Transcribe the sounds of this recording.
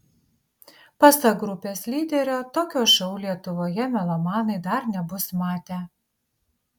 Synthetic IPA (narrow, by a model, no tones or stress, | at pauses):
pɐsɐɡɾʊpʲeːslʲiːd̪ʲɛɾʲoːt̪oːkʲoːʃɐʊlʲiɛt̪ʊʋoːjɛmʲɛlˠɐmɑːnɐɪd̪ɐɾnʲɛbʊsmɑːt̪ʲeː